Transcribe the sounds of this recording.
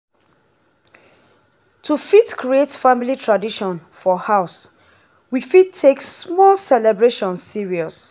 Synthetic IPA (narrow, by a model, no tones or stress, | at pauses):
tʰufitkʰɹietfamilitʰɹadiʃɔ̃nfɔhaʊs | wifit̚tʰːeksmɔlsɛlɛbɹeʃɔ̃nsːiɹiɔs